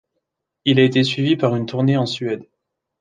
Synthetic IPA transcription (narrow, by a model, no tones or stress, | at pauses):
ilaet̪esɥivipaʁynt̪ʰuʁneɑ̃sɥɛd̪